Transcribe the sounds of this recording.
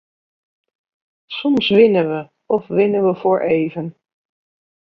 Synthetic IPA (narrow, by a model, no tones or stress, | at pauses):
sɔmsʋɪnəʋə | ɔfʋɪnəʋəfʊːɹʔeːvən